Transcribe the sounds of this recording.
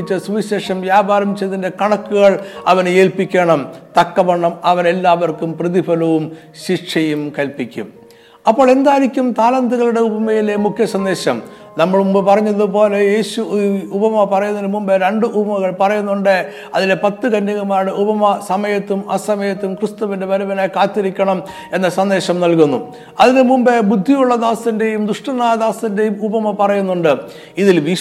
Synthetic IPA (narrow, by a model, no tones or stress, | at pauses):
it͡ɕːɐsiɕeːʂɐmʋjaːbʱaːɾɐmt͡ɕːɐðinde̞kɐɳɐkːuɣɐɭɐʋɐne̞ːlpikʲːeːɳɐmt̪ɐkːɐʋɐɳːɐmɐʋɐne̞lːaːʋɐrkumprɐðibɐlɐʋum | ɕiʈʂɐjumkɐlpikʲːṵm | ɐpːo̞ːɭe̞nd̪aːjiɾikʲːumt̪aːlɐnd̪iɣɐɭuɽe̞ubɐmɐjile̞mukʰjɐsɐnd̪e̞ːɕɐm | nɐmːɐɭumbpɐrɐɲːɐðupo̞ːle̞je̞ːɕuubɐmɐpɐrɐjunːɐlmumbeɾeɳɖɨʔubɐmɐɣɐɭpɐrɐjunːuɳɖɨ | ɐðilepɐt̪ːɨkɐndɐɣumaːɽɨubɐmɐsɐmɐjɐt̪ːumɐsɐmɐjɐt̪ːumkrɨst̪uʋinde̞ʋɐɾubɐnekaːt̪ːiɾikʲːɐɳɐm | e̞nːɐsɐnd̪e̞ːɕɐmnɐlkunːṵ | ɐðinɨmumbebud̪ʱːijuɭːɐd̪aːst̪ɐnde̞jumd̪uʂʈɐnːaːjɐd̪aːst̪inde̞jumubɐmɐpɐrɐjunːuɳɖɨ | iðilʋi